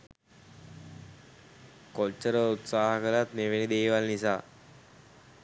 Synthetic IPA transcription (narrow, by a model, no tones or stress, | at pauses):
kot͡ʃːəɾəut̪saːɦəkəlat̪neʋenid̪eːʋalnisaː